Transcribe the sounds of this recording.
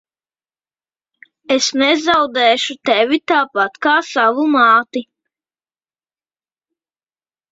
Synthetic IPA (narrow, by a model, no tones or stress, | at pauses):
esnɛzawd̪ɛːʃut̪ɛvʲit̪aːpat̪kaːsaʋumɑːt̪i